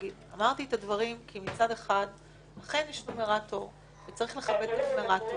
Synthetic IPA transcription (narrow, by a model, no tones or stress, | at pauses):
ɡida̰maʁt̪ietadvaʁimkʰimit͡sade̞χad | laχe̞njɛʃtomeʁato | vet͡saʁiχle̞χabed̪afmeʁato